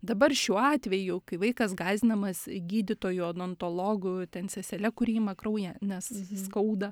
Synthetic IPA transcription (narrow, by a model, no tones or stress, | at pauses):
d̪ɐbɐrʃʲuɔɑːt̪ʲʋʲɛjʊkɐɪʋɐɪkɐsɡɑːzʲɪnɐmɐsɡʲiːd̪ʲɪt̪oːjʊɐd̪ont̪olˠoːɡʊt̪ʲɛnsʲɛsʲɛlʲɛkʊɾʲiːmɐkrɐʊjɛnʲɛsskɐʊd̪ɐ